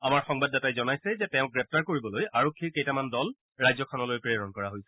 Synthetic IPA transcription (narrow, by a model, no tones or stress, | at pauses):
amaɹxɔŋbadːatajzɔnajsɛzɛtɛ̃ʊ̃k̚ɡɹɛp̚taɹkoɹibɔlojaɹokʰːiɹkejtamandɔl | ɹajzɔkʰɔnɔlojpɹeɹɔnkɔɹaɦojsɛ̥